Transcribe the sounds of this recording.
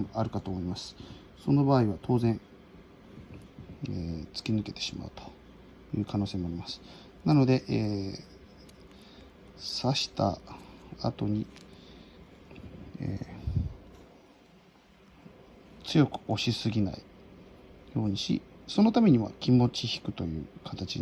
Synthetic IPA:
ʔaɾɯ̟kat̪o̞ːmo̞imasɨ̥ | so̞no̞baːiβat̪ʰo̞ːzẽ̞ɴ̃ | et͡sɨ̥kʲinɨke̞t̪e̞̥ɕima̰ɯ̟t̪o̥ | jɯ̟̰ːkano̞ːseːmo̞aɾʲimasɨ̥ | nano̞d̪e̞ʔeː | saɕi̥t̪a̰ | a̰t̪o̞ɲ̟i | ḛː | t͡sɨjo̞kɯ̟̥o̞ɕisɨɡʲina̰i | jo̞ːɲ̟iɕḭso̞no̞t̪ame̞ɲ̟iβa̰kʲimo̞t͡ɕiçi̥kɯ̟t̪o̞jɯ̟̰ːkʰat̪at͡ɕi

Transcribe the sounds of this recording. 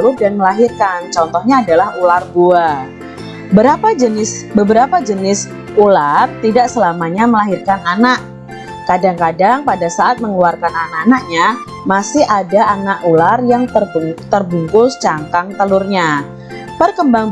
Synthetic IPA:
lʊrdanməlaɦirkant͡ʃɔnt̪ɔhɲaːdalahularbua | bəɾapad͡ʒənɪsbəbəɾapad͡ʒənɪs | ulart̪idaʔsəlamaɲaməlaɦɪrkananaʔ | kadaŋkadaŋpadasaʔat̪̚məŋluarkananaʔanaʔ̚ɲa | masɪhʔadaʔanaʔularjaŋt̪ərbt̪ərbuŋkʊlst͡ʃaŋkaŋt̪əlʊrɲa | pərkəmbaŋ

